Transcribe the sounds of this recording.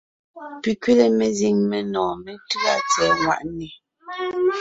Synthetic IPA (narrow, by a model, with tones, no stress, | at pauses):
pi˨kɥe˦le˦me˨zi˨ŋme˨nɔ̃ː˨me˨tʉ˦a˦t͡sɛ˨ŋwa̰˨ʔni˨